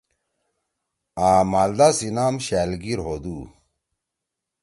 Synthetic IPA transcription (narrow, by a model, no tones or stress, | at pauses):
aːmaːld̪asinaːmɕaːlɡiɾɦod̪uː